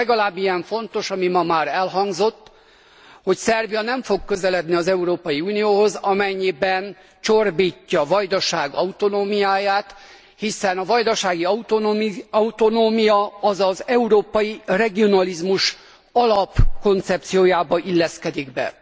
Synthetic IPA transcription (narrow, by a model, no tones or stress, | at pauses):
ɛɡɒlaːbːijɛɱfo̞nt̪o̞ʃɒmimɒmaːɾɛlɦɒŋzo̞t̪ː | ho̞csɛrviɒnɛɱfo̞ɡkːø̞zɛlɛd̪niɒzɛuɾoːpɒjiuːnijoːɦo̞zɒmɛɲːibɛn | t͡ʃo̞rbiːcːɒvɒjd̪ɒʃaːɡɒut̪o̞noːmijaːjaːt̪ | hisɛnɒvɒjd̪ɒʃaːɡiɒut̪oɒut̪o̞noːmijɒɒzɒzɛuɾoːpɒjirɛɡio̞nɒlizmuʃ | ɒlɒpko̞nt̪sɛp̚t̪sijoːjaːbɒʔilːɛskɛd̪iɡbɛ̰